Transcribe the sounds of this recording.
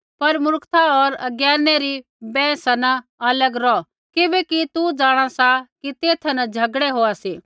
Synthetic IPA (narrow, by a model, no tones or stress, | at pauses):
pɐɾmʊɾkʰt̪ʰaɔɾɐɡjɛːɾneɾi | bɛ̃ːsanɐɐləɡɾɔ | kɪbɛkit̪ud͡ʒaːɽ̃asakit̪eːt̪ʰɐnɐd͡ʒʱɐɡɽeɦoːasiː